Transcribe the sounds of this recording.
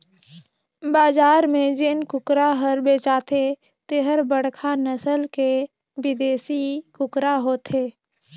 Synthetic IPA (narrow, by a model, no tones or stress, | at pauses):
baːzaːɾmẽd͡ʒɪnkʊkɾaɦəɾbeːt͡ʃaːt̪ʰe | t̪eɦəɾbəɽkʰanəsəlke | bɪd̪eːsikʊkɾaɦoːt̪eː